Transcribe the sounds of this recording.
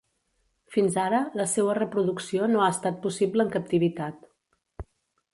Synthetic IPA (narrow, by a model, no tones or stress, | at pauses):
finzaɾələseβərəpɾuðuksionoaəst̪at̪̚pusibləːŋkəp̚t̪iβit̪at̪